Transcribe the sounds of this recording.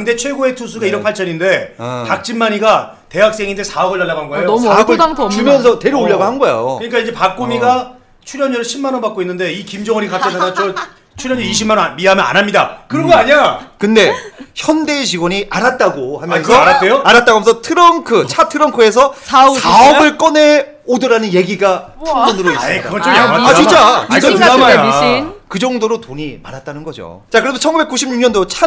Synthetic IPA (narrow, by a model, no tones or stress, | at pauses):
kɯnde̞t͡ɕʰwe̞ɡoe̞tʰus̬ʰuɡaiɾʌnpʰaɭt͡ɕʰʌninde̞pak̚t͡ɕ͈imːaɲiɡa | te̞ɦak̚s͈e̞ŋinde̞sʰaʌɡɯɭːaɭːaɡaɯnɡʌejosʰaʌɡɯɭaŋʰt͡ɕumjʌnsʰʌte̞ɾuoʎːaɡohanɡʌḛjo̰kɯɲik͈aid͡ʑe̞pak͈̚omiɡa | t͡ɕʰuɾjʌnɲʌɾɯɕʰimːanʌnpak͈oinːɯnde̞ikimd͡ʑʌŋʌɲikap̚k͈eaat͡ɕʰʌ | t͡ɕʰuɾjʌɲɯiɕ̬ʰimːanʌnmiamjʌna̰namɲidakɯɾʌŋɡʌaɲiakɯnde̞çjʌnde̞ɕ̬ʰiɡwʌɲiʔaɾat̚t͈aɡohamjʌnʰʌɾaejoaɾat̚t͈aɡoajʌnsʰʌtʰɯɾʌŋkʰɯt͡ɕʰatʰɯɾʌŋkʰɯe̞sʰʌaɡaʌɡɯɭk͈ʌne̞ | odɯɾanɯnje̞ɡiɡatɯŋɡʌnɯɾoikaɡʌat͡ɕint͡ɕ͈aama | kɯd͡ʑʌŋdoɾotoɲimaɾat̚t͈anɯnɡʌd͡ʑo̰t͡ɕakɯɾedot͡ɕʰʌnŋɡube̞k͈uɕʰimɲuɲʌndot͡ɕʰa